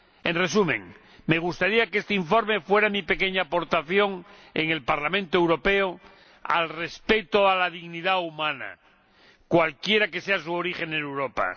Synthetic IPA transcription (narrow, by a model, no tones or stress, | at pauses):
ẽnre̞sumẽ̞̰ŋ | me̞ɣ̞ust̪aɾiakeest̪eiɱfo̞ɾme̞fwe̞ɾamipekeɲaːpo̞ɾt̪aθjo̞ŋ | eŋe̞lpaɾlamẽnt̪oe̞wɾo̞peo | a̰lre̞spe̞t̪oalað̞iɣnið̞aumãna̰ | kwalkje̞ɾake̞seasuoɾiχe̞nenewɾo̞pa̰